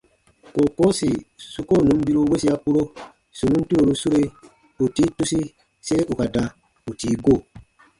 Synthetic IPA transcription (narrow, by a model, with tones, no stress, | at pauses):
ko˨ko˦si˨su˦ko˦˨nũ˨˦m˦bi˦ɾu˦we˦si˦a˦ku˦ɾo˦ | su˨nũ˦n˦tu˦ɾo˨ɾu˦su˦ɾe˦ | u˨ti˦tu˦si˦ | se˦ɾe˦ʔu˨ka˨da˨ | u˨tiː˨˦ɡo˦˨